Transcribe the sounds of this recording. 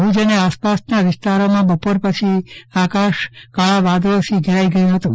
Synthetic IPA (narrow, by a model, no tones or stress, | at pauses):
ɦũd͡ʒəneaspasnaʋɪst̪aɾomãbəpoɾpət͡ʃʰiakaʃkaɭaʋad̪osiɡʱəɾaiɡəjũɦət̪ũ